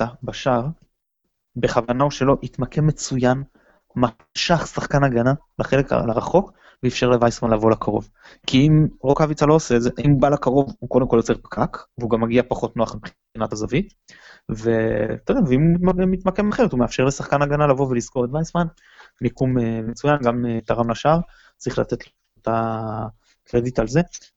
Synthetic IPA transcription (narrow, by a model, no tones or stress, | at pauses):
abaʃaʁ | beχavanaoʃe̞loʔitmakʰe̞mːe̞t͡sujan | ma | ʃaχsaχkanaɡana | laχele̞klaʁaχo̞k | veifʃeʁle̞vajsmanlavo̞lakaʁo̞v | kʰiimʁokavit͡salo̞oseːtdze̞ʔaimubalakaʁo̞vuko̞d̪emko̞ljot͡se̞ʁpkʰakveuɡamːaɡiapaχo̞tnoaχmipχi | inatazavit̪ | vet̪od̪aveimuimemit̪makemaχeʁet̪umeafʃe̞ʁlesaχkanaɡanalavo̞velisko̞ʁet̪vajsman | mikumemet͡sujanɡamet̪aʁamlaʃaʁ | t͡sʁiχla̰t̪etl | ut̪a | kledit̪alze